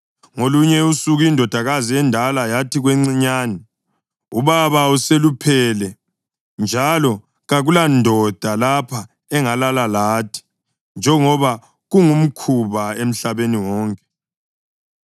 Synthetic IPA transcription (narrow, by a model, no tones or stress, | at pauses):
ŋoluɲɛusuɣuindʱɔd̥ʱaɣaziɛndʱalajatʰiɣwɛŋ͡ǀiɲaːnɛ | ṵβaβauselupʰɛlɛ | nd͡ʒʱalɔ | ɣaɣulandʱɔd̥ʱalapʰa | ɛŋalalalaːtʰi̥ | nd͡ʒʱɛŋɔβa | ɣuŋum̩kʰuβaem̩ɬaβeniwɔːŋkʼɛ̥